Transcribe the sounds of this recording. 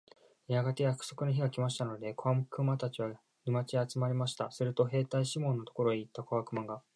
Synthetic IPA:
jaɡat̪e̞jakɯ̟̥so̞kɯ̟noçiɡakʲimaɕi̥t̪ano̞d̪e̞kʰoamɯ̟kɯ̟mat̪at͡ɕiβa | ɾʲimat͡ɕiat͡sɨmaɾʲimaɕi̥t̪a̰sɨɾɯ̟t̪o̞ɦe̞ːt̪aiɕimõ̞nːo̞t̪o̞̥ko̞ɾoɲiːt̪ːakoβakɯ̟mãŋɡa

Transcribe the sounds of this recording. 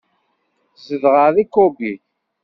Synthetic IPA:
zəðʁəðikobiθ

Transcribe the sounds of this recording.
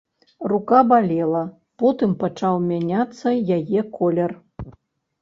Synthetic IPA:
rukabalʲɛlˠɐ | pɔt̪ɨmpat͡ʂawmʲanʲat̪sːɐjajɛkɔlʲɛr

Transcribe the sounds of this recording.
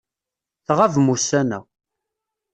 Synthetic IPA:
θʁavmusænæ̰

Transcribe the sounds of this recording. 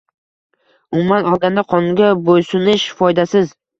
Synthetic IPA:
ʊmʊmːanɒlˠɡʲand̪aqʰɒnɡʲabojsʊnɪʃfɒjd̪asɪz

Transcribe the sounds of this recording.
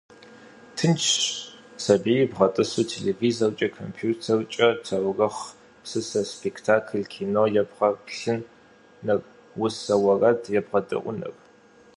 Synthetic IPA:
tʰɨnt͡ʃʰ | sɐbijbʁɐtʼɨsutʰelevizɐrt͡ʃʼɐkʰompʰjuːtʰɐrt͡ʃʼɐtʰɐwrɐχ | sɨsɐspʰektʰaːkʰɨlkʰiːnojɛbʁɐpɬɨnː | ɐr | wʊsɐwɐrɐdʰjɛbʁɐdʼɨ̰ʔʷʊ̰nɨ̰r

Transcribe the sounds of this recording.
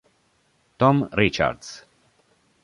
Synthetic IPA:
t̪ɔmɾit͡ʃa̰ɾd̪z̥

